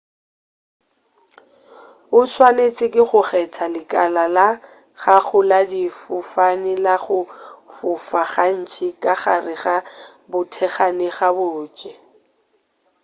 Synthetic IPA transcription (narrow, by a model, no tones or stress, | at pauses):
bʊswanet͡sʼɪkʼɪχʊχɛt͡sʰalɪkʼalala | χaχʊladifʊfanɪlaχʊfʊfaχan̩t͡ʃʰikʼaχarɪɣabʊtʰɛχanɪɣabʊt͡ʃʼɛ